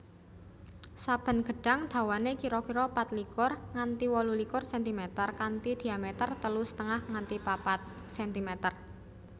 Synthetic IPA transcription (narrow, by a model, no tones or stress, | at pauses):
sab̥ə̤nɡ̥ə̤ɖ̥a̤ŋd̪̥a̤wanekiɾɔkiɾɔpat̪likʊrŋant̪iwɔlulikʊrsɛnt̪imet̪ərkant̪id̪̥i̤amet̪ərt̪əlusə̥t̪əŋahŋant̪ipapat̪̚ | sɛnt̪imet̪ər